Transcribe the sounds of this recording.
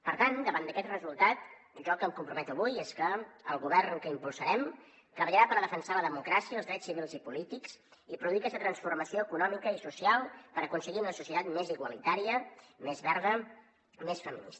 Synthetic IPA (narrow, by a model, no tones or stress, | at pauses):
pəɾt̪and̪əβand̪əkɛt̪rəzulˠt̪at̪ | ʒɔlˠkəmkumpɾumɛt̪uəβujeskəəlˠɣuβɛrnkəimpulˠsəɾɛm | t̪ɾəβəʎəɾapəɾðəfənsaləðəmukɾasiəːlˠzðɾɛt͡ssːiβilˠzipulit̪iks | ipɾuðuikɛsət̪ɾənsfurməsioəkunɔmikəisusialˠpəɾəkunsəɣiunəsusiət̪at̪meziɣwəlit̪aɾiəmezβɛɾð̞ə | mesfəmḭnḭs